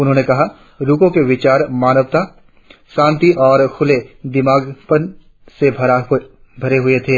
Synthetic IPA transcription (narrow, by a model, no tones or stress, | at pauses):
ʊnɦõːnekɐɦa | ɾukõkeʋɪt͡ʃaːɾmaːnəʋt̪a | ʃãːnt̪iʔɔːɾkʰʊled̪ɪmaːɡpən | sebʱ | bʱɐɾeɦʊet̪ʰeː